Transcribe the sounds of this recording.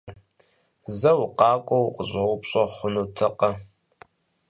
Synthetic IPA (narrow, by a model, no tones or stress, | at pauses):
zɐwqɑːkʷʼɔwʊqʼəʑʼɐʁʷʊpɕʼɐχʷʊnuːtʰɐqʼɐ